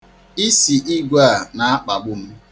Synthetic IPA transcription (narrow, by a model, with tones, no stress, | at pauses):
i˦si˨ʔi˦ɡʷa˦˨na˨a˦k͡pa˨ɡ͡bʊ˦m̩˦